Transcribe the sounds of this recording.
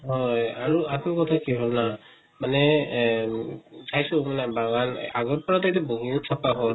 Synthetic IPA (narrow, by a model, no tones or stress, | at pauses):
ɦɔjaɹuatmikɔtʰakiɦɔlna | manɛ | sʰajsumanabaɡanaɡɔtpɔɹatajtɛboɡinusʰapaɦɔ